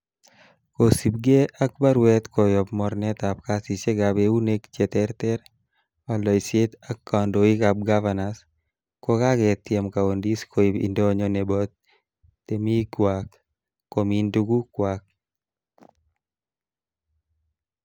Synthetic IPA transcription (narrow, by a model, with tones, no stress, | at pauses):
ko˨si˨b̚ɡe˦ʔak̚ba˦ɾwɛ˦t̪kɔ˨jɔpmɔ˨ɾnɛt̪a˨p̚kasi˨se˦ɡabeu˦ne˦kt͡ʃe˨t̪ɛɾt̪ɛ˦ɾ | a˨lɔ˨jse˦t̪a˦kːa˨ndo˨i˦kab̚ɡavanas | ko˦ka˦ɡɛt̪jɛ˨mka˨o˨ndi˦skʰo˨i˨bḭ˨ndo˦ɲɔ˦nɛbɔ˦t̪̚ː | e˨mi˦kwakː | o˨mi˦ndu˦ɡu˦kwak̚